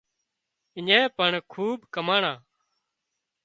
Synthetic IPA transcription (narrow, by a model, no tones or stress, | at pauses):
ɪɲẽːpəɳkʰuːbkəmaːɳãː